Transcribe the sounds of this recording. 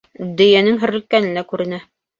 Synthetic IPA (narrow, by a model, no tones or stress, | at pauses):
d̪ɵ̆jænɘŋɦɘ̆ɾɘ̆lkːænɘ̆nækʉɾɘ̆næ